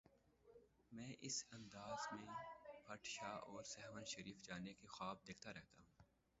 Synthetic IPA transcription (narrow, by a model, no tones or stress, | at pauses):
mɛ̃ːʔɪsɐ̃nd̪aːzmẽbʱɐʈʃaːʔɔːɾsɛɦʋənʃɐɾiːfd͡ʒaːnekexaːb̚d̪eːkʰt̪aɾɛɦt̪aɦũː